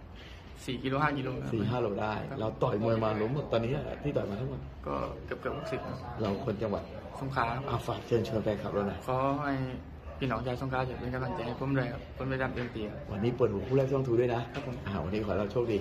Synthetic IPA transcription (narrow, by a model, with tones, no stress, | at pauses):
siː˨˩ki˧loː˧haː˥˩ki˧loː˧ssiː˨˩ɦaː˥˩loː˧˩daː˥˩jʰɾa˧wt̪ɔː˨˩jmu˧maː˧lu˧˦˥mːo˨˩t̪̚ːɔː˧nːi˦˥a̰˧˩t̪ʰiː˥˩ɔː˨˩jmaː˧t̪ʰa˦˥ŋmo˨˩t̪̚kɔ̰ː˥˩kɤ˨˩p̚kɯ˨˩p̚hu˧˥˩k̚si˨˩k̪̚na˦˧˥ɾa˧wkʰo˧nt͡ɕa˧ŋwa̰˨˩t̪̚ | so˧˩ŋkʰaː˦˧˥a˧ʔa˧˩faː˨˩k̚t͡ɕʰɤː˧ŋt͡ɕʰɤː˧ŋkɛː˧ŋkʰa˦˩p̚ɾa˧˩na˧˩kʰɔː˨˧˦ha˥˩j | pʰiː˧˩nɔː˨˦ŋt͡ɕaː˧sŋkʰaː˧˥t͡ɕa˨˧˩pe˧nka˧mla˧˩ŋt͡ɕa˧˩jha˧˩jpʰo˧˥˨mdu˧˩˨kʰa˧˩p̚kʰo˧˥˨mpa˧jtaː˧˩mt̪i˧mt̪i˧a˧˩wʔa˧nːiː˦˥pɤː˨˩t̪̚huː˨˩˦pʰu˥˩lɛː˥˩˧t̪ʰuː˧˦u˥˩˨na˦˥kʰa˦˥pʰːo˧mʔaː˨˧˩wa̰˧nːiː˦˥kʰɔː˨˩˦ɾa˧wt͡ɕʰu˥˩k̚diː˧